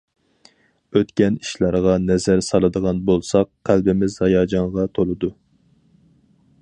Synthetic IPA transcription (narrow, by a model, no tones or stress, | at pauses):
øt̪kʲɛniʃlˠɑɾʁɑnɛzæɾsɑlˠɨd̪əʁɑnbolˠsɑqqʰːælbɪmɪzhɑjɑːd͡ʒɑɴʁɑt̪ʰolˠɨd̪u